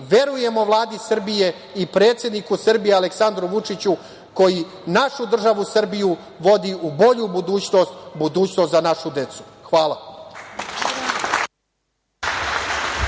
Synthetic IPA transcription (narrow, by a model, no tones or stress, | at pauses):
ʋe̞ɾuje̞mo̞ʋlˠaːd̪isr̩bije̞ | ipɾe̞ːt̪sjed̪nikusr̩bijealeksand̪ɾuʋut͡ʂit͡ɕu | ko̞ji | naʃud̪r̩ʒaʋusr̩biju | ʋo̞d̪iʔubo̞ʎubud̪uːt͡ɕno̞st̪bud̪uːt͡ɕnost̪zanaʃud̪e̞t̪su̥xʋaːlˠa